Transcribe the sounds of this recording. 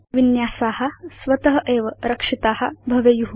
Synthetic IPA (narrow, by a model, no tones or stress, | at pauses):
ʋinjaːsaːhɐ̆sʋɐt̪ɐɦɐʔeːʋɐɾɐkʂit̪aːɦɐbʱɐʋejuɦu